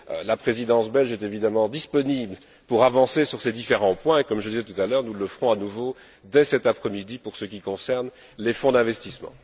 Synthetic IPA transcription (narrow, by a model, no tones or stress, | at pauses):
lapχezid̪ɑ̃sbɛlʒɛt̪evid̪amɑ̃d̪ispɔnibl | puʁavɑ̃sesyʁsed̪ifeʁɑ̃pwɛ̃ekɔmʒəd̪izɛt̪ut̪alœːʁnuləfʁɔ̃anuvo | d̪ɛsɛt̪apχɛmid̪ipuʁsəkʲikɔ̃sɛʁn | lefɔ̃d̪ɛ̃vɛst̪ismɑ̰̃